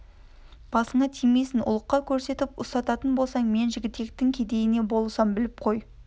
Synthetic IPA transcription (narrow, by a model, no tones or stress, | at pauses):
b̥ɑsəɴɑt̪ʰijme̞sɪnʊ̰lˠəqːɑkʲʰɵɾse̞t̪ɪpʊst̪ɑt̪ɑt̪ənbo̞lˠsɑɴme̞nʒɪɡʲɪt̪ːe̞k̚t̪ɪŋkʲʰe̞d̪e̞jɪne̞bo̞lˠsɑmbɪlɪp̚qʰo̞j